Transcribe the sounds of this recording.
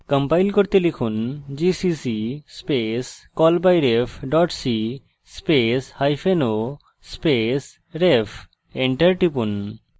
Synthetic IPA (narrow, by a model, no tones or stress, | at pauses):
kəmpajlkoɾt̪elikʰund͡ʑisisispeskɔlbajɾefʰɖɔʈsi | speshajfʰeno | spes | ɾepʰ | eɳʈɐɾʈipun